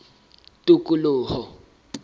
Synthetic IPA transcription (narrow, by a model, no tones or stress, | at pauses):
tʼukʼulʊːhɔ